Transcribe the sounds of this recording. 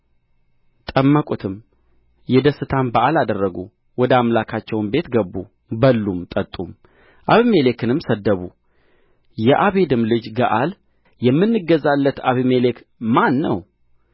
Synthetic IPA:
t̪ʼəmːəkʼut̪ʰɨm | jɛd̪əsːɨt̪ʰanbaʔalad̪ərːəɡu | wɔd̪əamlakʰat͡ʃːɛwnbe̞t̪ɡəbːu | bəlːumt̪ʼət̪ʼːum | ʔaβime̞le̞kɨnɨmsəd̪ːəβu | jɛʔaβe̞d̪ɨmlɨd͡ʒɡaʔal | jɛmːɨnːɨɡəzalːət̪aβimele̞k | manːə̰w

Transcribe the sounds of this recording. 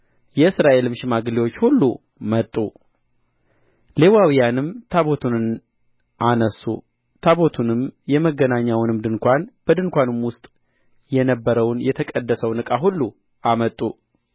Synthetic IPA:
jɛɨsɾaʔe̞lɨmʃɪmaɡɨlewo̞t͡ʃːhulːu | mət̪ʼːu | le̞wawijanɨmt̪ʰaβo̞t̪ʰunɨn | ʔanəsːṵ | t̪ʰaβo̞t̪ʰunɨmjɛməɡːənaɲːawnɨmd̪ɨnkʷanb̥əd̪ɨnkʷanɨmwʊst̪ʼ | jɛnəbːəɾəwnjɛt̪ʰəkʼəd̪ːəsəwnɨkʼaɦulːu | ʔamət̪ʼːu

